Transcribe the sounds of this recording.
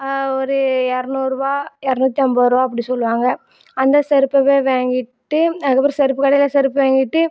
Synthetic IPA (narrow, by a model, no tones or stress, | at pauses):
ɔɾɯɛɾɐnuːɾɯʋaːɛɾɐnuːt̪ːɪɐmbɐɾɯʋaːɐp̬ːɐɽisɔlːɯʋaːŋɡɐ | ɐnd̪ɐsɛɾɯpːɐʋeːʋeːŋɡɪʈːɯɐɣɐpːɪɾɐsɛɾɯpːɯkɐɽɐjɪlɐsɛɾɯpːʋeːŋɡɪʈːɯ